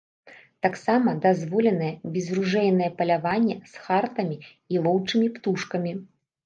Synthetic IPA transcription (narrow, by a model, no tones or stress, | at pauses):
t̪aksamɐd̪azvɔlʲɛnɐjɛbʲɛzruʐɛjnɐjɛpɐlʲavanʲːɛsxart̪ɐmʲi | ilˠɔwt͡ʂɨmʲipt̪uʂkɐmʲi